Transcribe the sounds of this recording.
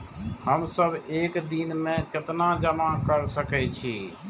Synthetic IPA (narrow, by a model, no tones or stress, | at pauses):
həmsəbʱeːkd̪inmẽkɪt̪nad͡ʒəmakəɾsəkɛt͡ʃʰiː